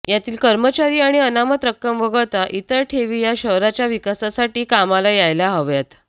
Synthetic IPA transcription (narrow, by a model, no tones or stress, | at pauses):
jat̪iːlkəɾmət͡ɕaɾiːaɽ̃iənamət̪ɾək̚ːəmʋəɡəɭt̪aʔit̪əɾʈʰeʋijaɕəɦɾat͡ɕjaʋikasasaʈiːkamalajajlaɦəʋjat̪